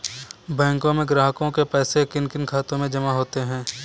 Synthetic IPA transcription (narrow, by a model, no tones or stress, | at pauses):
bɛ̃ːŋkõmẽɡɾaːɦkõkepɛːsekɪnkɪnkʰaːt̪õmẽd͡ʒɐmaɦoːt̪eɦɛ̃ː